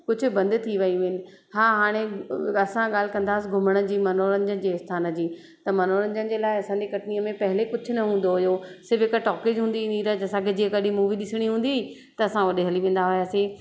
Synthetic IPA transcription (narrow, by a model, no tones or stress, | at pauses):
kʊd͡ʑʱʊ̆bɐ̃nd̪t̪ʰiʋɐiʋɪnɪ̆ | ɦaːɦaːɽ̃eɐsãɠaːl̤ɪkɐ̃nd̪aːsɪɡʱʊməɽ̃ə̆d͡ʑiːmɐnoːɾəɲd͡ʑənɪ̆d͡ʑeːɪst̪ʰaːnəd͡ʑiː | t̪ɐmɐnoːɾə̃ɲd͡ʑənɪ̆d͡ʑeːlaːɪɐsãːɲd͡ʑekɐʈniːəmẽpɐɦɪlekʊd͡ʑʱʊnɐɦũːnd̪oɦʊjosɪɾbɪkəʈɔːked͡ʑɦũːn̆d̪iĩːnd̪iɾɐɦd͡ʑɐsãkʰed͡ʑiːɐ̃kɐɗʱĩmuːʋiɗɪsəɽ̃iɦũːn̆d̪i | t̪ɐɐsãʋɐɗeɦɐliʋẽːnd̪aɦʊjaːseː